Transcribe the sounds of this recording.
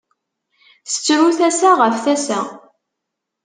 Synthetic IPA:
θə̥t͡sːɾuθæsæʁəfθæsæ

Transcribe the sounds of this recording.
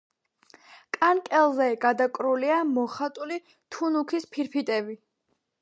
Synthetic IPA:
kʼankʼɛlˠzɛɡad̪akʼɾuliamɔχat̪ʼuli | t̪ʰunukʰispʰiɾpʰit̪ʼɛbi

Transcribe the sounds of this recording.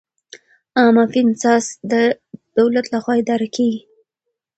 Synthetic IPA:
ɑmafinsɑsd̪ə | d̪̥awlat̪laxwɑed̪ɑɾakʰeɡi

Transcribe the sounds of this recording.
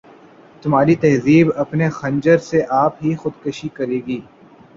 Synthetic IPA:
t̪ʊmaːɾit̪ɐɦziːbɐpnexɐ̃ɲd͡ʒəɾseʔaːpɦixʊd̪kɐʃikɐɾeːɡiː

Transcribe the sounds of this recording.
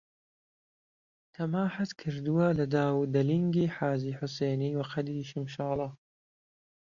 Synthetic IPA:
t̪ʰɐmaːħat̪kʰɨɾd̪uwɐlɐd̪aːwd̪ɐliŋɡiːħaːziːħʊseːniːwɐqɐd̪iʃɪmʃaːlˠɑː

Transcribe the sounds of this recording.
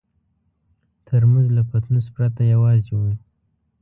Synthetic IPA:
t̪ʰəɾmanzlapat̪nuspɾat̪ajawɑzd͡ʒowi

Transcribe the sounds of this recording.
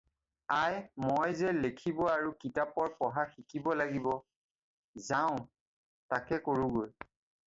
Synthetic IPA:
ajmojzɛlekʰibɔaɹukitapɔɹpɔɦaxikʰibɔlaɡibɔ | zaʊ̃ | takɛkoɹuɡoj

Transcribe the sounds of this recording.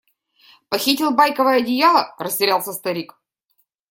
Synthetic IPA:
pɐxʲitʲɪlˠbajkəvəjəɐdʲɪjalˠərəsʲtʲɪɾʲalˠsʲəst̪ɐɾʲik

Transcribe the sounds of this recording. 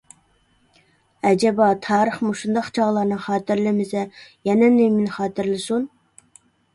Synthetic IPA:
ɛd͡ʒɛbɑt̪ʰɑːɾəχmuʃund̪ɑqt͡ʃʰɑʁlˠɑɾnɨŋχɑːt̪ɪɾlɪmɪzɛjɛnɛnɪmɪnχɑːt̪ɪɾlɪsun

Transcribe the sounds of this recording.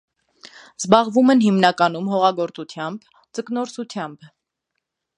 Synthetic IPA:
zbɑʁvumɛnɦimnɑkɑnumɦɔʁɑɡɔɾt͡sut̪ʰjɑmb | d͡zəknɔɾsut̪ʰjɑmb

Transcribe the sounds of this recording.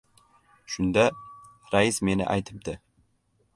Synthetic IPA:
ʃʊnd̪a | ɾaɪsme̞nɪ̰ʔa̰jt̪ʰɪp̚d̪ɪ

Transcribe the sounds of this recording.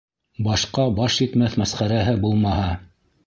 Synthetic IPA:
bɑʃqɑbɑʃjit̪mæθmæsχæɾæɦɘbulˠmɑhɑ

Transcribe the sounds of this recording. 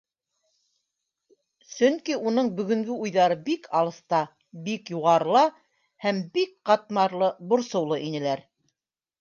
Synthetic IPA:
sɵ̆ŋkiunɤɴbɵ̆ɡɵ̆ŋɡɵujðɑɾɤbikʰɑlˠɤ̆st̪ɑ | bikjuʁɑɾlˠɑ | hæmbikqɑt̪̚mɑɾlˠɤbŏɾsɤ̆wlˠɤʔinɘ̆læɾ

